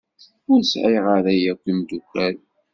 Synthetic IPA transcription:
ʊɾsʕiʁaɾæjækʷːimd̪ukʷːæl

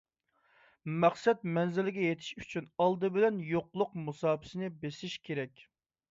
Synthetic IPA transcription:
mæqsɛt̪̚mɛnzɪlɪɡʲɛjet̪ʰɪ̥ʃyt͡ʃʰynɑlˠd̪ɨbɪlɛnjoqlˠʊqmusɑːpʰɪ̥sɪnɪbesɪʃkʲʰeɾɛkʲ

